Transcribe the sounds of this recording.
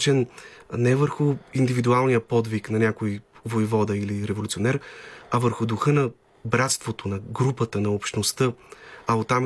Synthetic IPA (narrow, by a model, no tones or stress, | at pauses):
t͡ʃɛnnɛvəɾxʊind̪ivid̪ualˠnijəpɔd̪viknɐnʲakojvoivɔd̪əiliɾɛvolʲt̪sionɛɾɐvəɾxʊd̪ʊxɤnɐ | bɾat̪st̪vot̪onɐɡɾupət̪ənɐopʃt̪nost̪əɐot̪ːam